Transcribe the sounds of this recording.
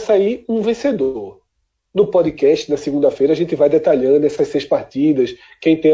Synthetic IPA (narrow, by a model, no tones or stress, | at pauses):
saiũvẽsed̪ooɾ | nʊpɔd̪ɪkɛʃt͡ʃɪnɐsɪɡũd̪ɐfejɾɐaʒẽnt̪ɪvajd̪ɛt̪aʎɐ̃d̪ʊɛsɐʃsejʃspaɾt̪id̪ɐs | kẽj̃t̪ẽ